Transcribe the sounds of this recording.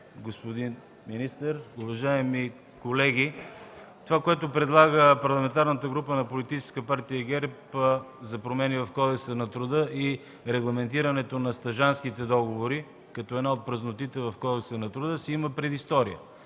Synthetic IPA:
ɡospod̪in | minist̪əɾuvɐʒaɛmi | kolɛɡ̟ʲi | t̪ovakoɛt̪opɾɛd̪lˠaɡəpɐɾlˠɐmɛnt̪aɾnət̪əɡɾupənɐpolit̪it͡ʃɛ̥skəpaɾt̪ijəɡɛɾpə | zɐpɾomɛnivɐfkɔd̪ɛksənɐt̪ɾʊd̪əʔi | ɾɛɡlˠɐmɛnt̪iɾɐnɛt̪onɐst̪ɐʒanskit̪ɛd̪ɔɡovoɾi | kɐt̪ɔɛd̪naot̪̚pɾəznot̪it̪ɛvɐfkɔd̪ɛksənɐt̪ɾʊd̪əsɛiməpɾɛd̪ist̪ɔɾiə̰

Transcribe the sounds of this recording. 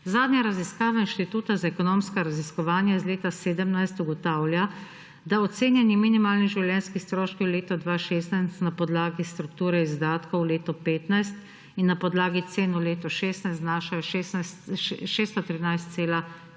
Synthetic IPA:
zaːd̪ɲjaɾaziskaːʋainʃt̪it̪uːt̪azaɛkɔnoːmskaɾaziskɔʋaːnjaizleːt̪aseːd̪əmnajst̪uɡɔt̪aːwlja | d̪aɔt̪seːnjɛnjiminimaːlniʒiwljɛnskixst̪ɾoːʃkiwleːt̪ɔd̪ʋaːʃeːst̪najst̪napɔd̪laːɡist̪ɾukt̪uːɾɛizd̪aːt̪kowleːt̪ɔpeːt̪najst̪ | inːapɔd̪laːɡit̪seːnuleːt̪ɔʃeːst̪najst̪naːʃajɔʃ | ʃeːst̪ɔt̪ɾinajst̪seːla

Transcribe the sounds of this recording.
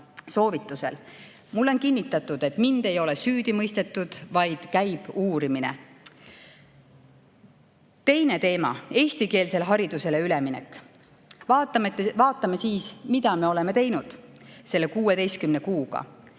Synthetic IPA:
so̞ːvit̪ːˑuse̞̰l | mulːo̞nkinʲːit̪ːˑɑt̪ːˑud̪̥e̞t̪ˑmind̪̥e̞jo̞le̞syːd̪̥imɤjst̪e̞t̪ːˑud̪̥vɑjd̪̥kæjb̥uːɾiminḛ | t̪e̞jne̞t̪e̞ːmɑ̰e̞ːsʲt̪ike̞ːlse̞lɦɑɾid̪̥use̞le̞ylemine̞̰kːˑ | vɑːt̪ːˑɑmt̪ːevɑːt̪ˑːɑmesiːsmid̪̥ɑme̞o̞le̞me̞t̪e̞jnud̪̥se̞lːe̞kuːe̞d̪e̞jskymne̞kuːɡ̥ɑ̰

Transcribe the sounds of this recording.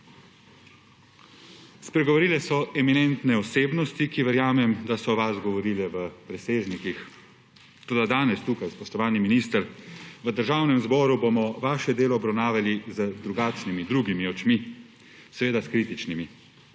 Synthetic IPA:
spɾɛɡɔʋɔɾiːlɛsɔɛminɛnt̪nɛɔseːbnɔst̪ikiʋəɾjaːmɛmd̪asɔʋasɡɔʋɔɾiːlɛʋəpɾɛseːʒnikix | t̪oːd̪ad̪aːnɛst̪uːkajspɔʃt̪ɔʋaːlniminist̪əɾʋəd̪əɾʒaːwnɛmzbɔːɾubomɔʋaːʃɛd̪eːlɔːbɾawnaːʋjalizəd̪ɾuɡaːt͡ʃnimid̪ɾuɡimiɔt͡ʃmi | sɛʋeːd̪askɾiːt̪it͡ʃnimi

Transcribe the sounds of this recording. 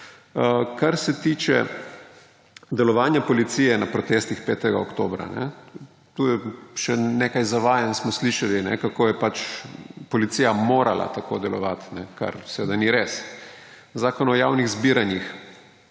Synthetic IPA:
kaɾsɛt̪iːt͡ʃɛ̰ | d̪ɛlɔʋaːnjapɔlit̪sijɛnapɾɔt̪est̪ixpɛːt̪ɛɡaokt̪oːbɾa̰nɛ̰ | t̪uːjɛʃɛnekajzaʋaːjansmɔsliʃalinɛkakoːjɛpat͡ʃpɔlit̪siːjamoːɾalʔa̰t̪ako̰d̪ɛlɔʋa̰t̪nɛka̰ɾsɛʋeːd̪aniɾes | zaːkɔnɔjawniɣzbiːɾanjix

